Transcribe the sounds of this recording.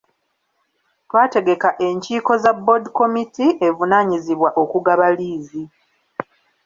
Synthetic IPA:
twaːte̞ɡe̞kaʔe̞ɲciːko̞zabodiko̞mitiʔe̞vunaːɲiziβwaʔo̞kuɡaβaliːzi

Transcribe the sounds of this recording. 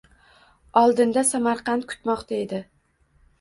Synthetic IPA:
ɒlˠd̪ɪnd̪asamaɾqʰɑnt̪̚kʰʊ̥t̪mɒqt̪ʰaed̪ɪ

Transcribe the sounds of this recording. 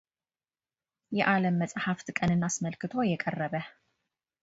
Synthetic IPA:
jɛʔaləmːəsʼhaft̪kʼənɨnːasməlkɨt̪ʰo̞jɛkʼərːəβə

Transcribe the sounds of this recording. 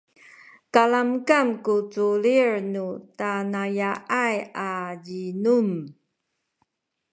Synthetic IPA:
kalamkamkut͡suliɹnutanajaʔajaʎinum

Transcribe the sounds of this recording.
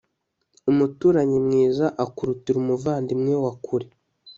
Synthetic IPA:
umutuːɾaɲimŋiːzaʔakuɾutiɾumuvaːndimŋewakʰuɾe

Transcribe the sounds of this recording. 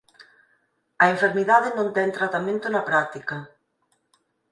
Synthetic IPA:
ɐeɱfeɾmiðaðɪnõnt̪ɛŋt̪ɾat̪amẽnt̪ʊnɐpɾak̚t̪ikɐ

